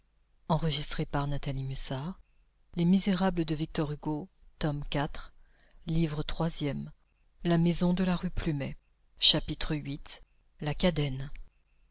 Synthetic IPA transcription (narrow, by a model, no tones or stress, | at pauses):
ɑ̃ʁəʒist̪χepaʁnat̪alimysaʁ | lemizeʁabləd̪əvik̚t̪ɔʁyɡot̪ɔmkʲat̪χ | livʁət̪χwazjɛm | lamezɔ̃d̪əlaʁyplymɛ | ʃapit̪χəɥit̪ | lakad̪ɛn